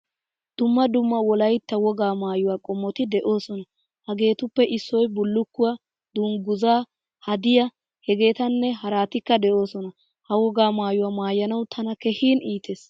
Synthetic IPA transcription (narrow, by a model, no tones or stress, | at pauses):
d̪̥ʊmːɐd̪ʊmːɐwɔlɐjt̪ːɐwɔɡaːmaːjʊwaːkʼɔmːɔt̪ɪd̪ɛʔo̞ːsɔnɐ | hɐɡe̞ːt̪ʊpːɛʔɪsːɔjbʊlːʊkːʊwɐ | d̪̥ʊŋɡʊzaː | hɐd̪ɪjɐ | hɛɡe̞ːt̪ɐnːɛɦɐɾaːt̪ɪkːɐd̪ɛʔo̞ːsɔnɐ | hɐwɔɡaːmaːjʊwaːmaːjːɐnɐwt̪ʰɐnɐkɛhiːniːt̪eːs